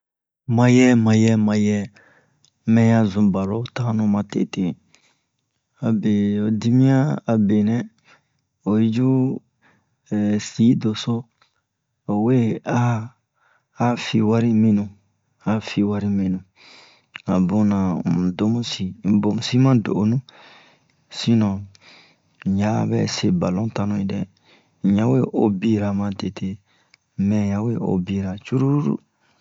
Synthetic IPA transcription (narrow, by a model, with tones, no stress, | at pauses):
mã˨jɛ˦mã˨jɛ˦mã˨jɛ˦ | mɛ̃˦jã˦zũ˨ba˨ɾo˦ta˦nũ˦mã˨tḛ˨te˦ | a˨be˨o˨di˦mĩ˦ãː˦˨be˨nɛ̃˦ | o˨i˦d͡ʒu˦˨ | si˨˦do˨so˦ | o˨we˦a˦˨˦ | fi˧wa˦ɾi˦mĩ˧nũ˨ | a˦fi˧wa˦ɾi˦mĩ˨nũ˨ | a˨bõ˦nã˨do˦mũ˦si˨bo˨mu˨si˦mã˦do̰˨ʔo˨nũ˦ | si˦nɔ̃˨ | ɲã˦bɛ̰˦se˦ba˨lõ˦ta˧nũ˧i˨dɛ˨ | ɲã˦we˦ʔo˦bi˦ɾa˨mã˦de˨tʰe˦ | mɛ̃˨ɲã˨we˦o̰˨bi˦ɾa˨t͡ʃu˦ɾu˦ɾṵ˦